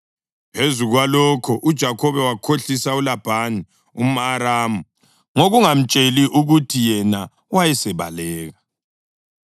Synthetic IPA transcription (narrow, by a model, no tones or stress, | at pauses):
pʰezuɣwalɔkʰɔʔud̥ʒ̥ʱakʰɔβɛwakʰoɬisaulab̥ʱaːni | umaɾaːmu | ŋoɣuŋam̩t͡ʃʼeliʔuɣutʰijɛna | wajɛsɛβa̰lɛːɣa